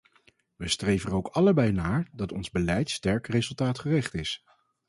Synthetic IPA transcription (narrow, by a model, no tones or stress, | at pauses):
ʋəstrejvənowkɑləbɛjnaːɹdɑtɔnzbəlɛjtstɛɹkrezɵlˠtaːtχərɪχtɪs